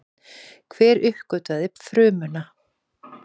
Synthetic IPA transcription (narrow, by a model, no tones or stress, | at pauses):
kʰv̥ɛːɾʏhkœɥt̪aðɪpfɾʏːmʏna